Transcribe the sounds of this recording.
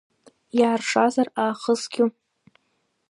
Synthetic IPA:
jaːrʂazaraːχəsɡʲu

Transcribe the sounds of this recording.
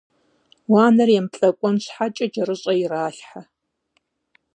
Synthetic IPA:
waːnɐrjɛmpɬʼɐkʷʼɔnɕħat͡ʃʼɐd͡ʒɐrɨɕʼɐjiraːɬħa

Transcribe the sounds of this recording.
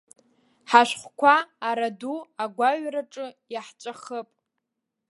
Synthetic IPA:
ħaʃʷᶣχʷkʷʰaːɾaduaɡʷaɥraʈ͡ʂʼɨjaħt͡ʃʷʼaχəpʼ

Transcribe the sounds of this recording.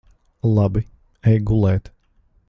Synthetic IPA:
lˠɑbi | ɛjɡulˠɛːt̪

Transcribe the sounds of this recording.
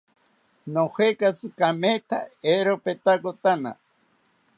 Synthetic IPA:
nohekat͡sɨkamet̪ʰaeɾopet̪akot̪ana̰

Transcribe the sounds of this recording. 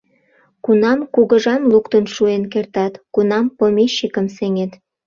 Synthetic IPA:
kunɑmkuɣəʒɑmlukt̪ənʃuenkert̪ɑt̪kunɑmpomeɕːikəmseŋet̪

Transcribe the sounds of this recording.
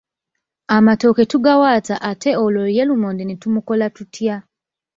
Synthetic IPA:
amato̞ketuɡawaːt͡saʔatʰeoloɾjelumoːndenetumuko̞latutja

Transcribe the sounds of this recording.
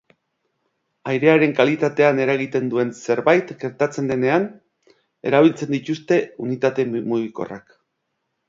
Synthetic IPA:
ajɾe̞aɾe̞ŋkalit̪at̪e̞ane̞ɾaɣit̪e̞nd̪ue̞nse̞ɾβajt̪ɡe̞ɾt̪at͡se̞nd̪ene̞an | e̞̰ɾaβ̞ilt͡se̞nd̪it̪ust̪e̞unit̪at̪e̞mmuɣiko̞̰ra̰k

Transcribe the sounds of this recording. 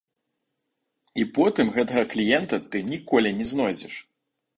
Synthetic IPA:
ipɔt̪ɨmɣɛt̪ɐɣɐklʲijɛnt̪ɐt̪ɨnʲikɔlʲinʲɛznɔjd͡zʲɛʂ

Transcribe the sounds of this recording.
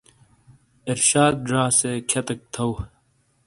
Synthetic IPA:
iɾɕaːd̪̚ɖɾaːsekʰɐt̪ɐk̚t̪ʰɐw

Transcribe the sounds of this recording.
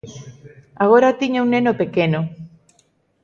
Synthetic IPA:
aɣ̞oɾat̪iɲauŋnenopekeno

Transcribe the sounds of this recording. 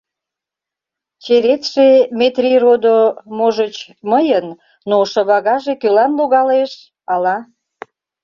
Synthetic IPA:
t͡ɕeɾet̪ʃemet̪rʲirod̪omoʒət͡ɕ | məjənː | oʃə̆βɑɣɑʒekølɑnluɣɑleʃ | ɑlɑ

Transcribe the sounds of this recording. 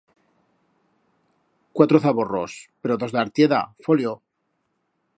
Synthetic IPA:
kwat̪ɾoθaβoro̰speɾoðo̞zðeaɾt̪jeða̰foljo

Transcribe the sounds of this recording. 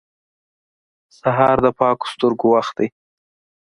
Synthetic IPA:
saɦɑɾd̪əpɑko̥st̪əɾɡowaxt̪̚d̪aj

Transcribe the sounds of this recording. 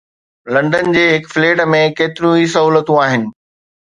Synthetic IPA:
lɐ̃ɳɖənɪ̆d͡ʑeːɦɪkfleːʈəmẽkeːt̪ɪɾũis̬ɐɦuːlət̪ũaːɦɪnɪ̆

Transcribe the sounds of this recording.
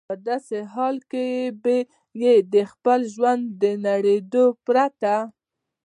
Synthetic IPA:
pəd̪ɑseɦɑlkebe | jed̪əxpəlʒwand̪ːənaɽed̪opɾat̪a

